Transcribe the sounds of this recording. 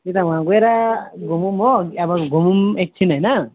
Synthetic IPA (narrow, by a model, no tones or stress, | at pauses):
it̪awãɡueɾaɡumumoabãɡumumek̚t͡ʃʰinajna